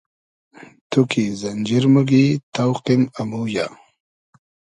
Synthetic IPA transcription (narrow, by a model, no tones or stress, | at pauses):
t̪ʰukizɐnd͡ʒiɾmuɡit̪awqimamuja